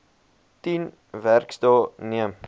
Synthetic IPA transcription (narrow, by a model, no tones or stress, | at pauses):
tin | værkstəlˠniəm